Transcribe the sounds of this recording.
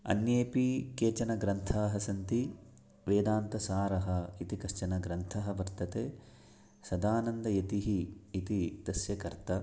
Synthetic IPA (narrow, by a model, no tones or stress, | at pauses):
ɐ̰njeːpikeːt͡ʃɐnɐɡɾɐnt̪ʰaːɦɐsɐnt̪i | ʋeːd̪aːnt̪ɐsaːɾɐɦɐit̪ikɐʃt͡ʃɐnɐɡɾɐnt̪ʰɐɦɐ̆ʋɐɾt̪ɐt̪eː | sɐd̪aːnɐnd̪ɐjɐt̪iɦiːt̪id̪̥ɐsjɐkɐɾt̪ɐ